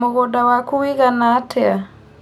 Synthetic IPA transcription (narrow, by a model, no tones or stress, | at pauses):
oɣɔdawakuwiɣanatʰɛa